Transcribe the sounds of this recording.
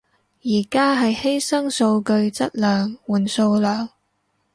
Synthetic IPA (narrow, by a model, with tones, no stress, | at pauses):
jiː˨˩kaː˥ɦɐ˨jhe˥jsɐ˥ŋso˧wkɵ˧ɥt͡sɐ˥t̚lœː˨ŋwuː˨˩nso˧wlœː˨˩ŋ